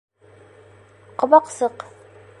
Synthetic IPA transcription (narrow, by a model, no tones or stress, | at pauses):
qŏβɑqsɤq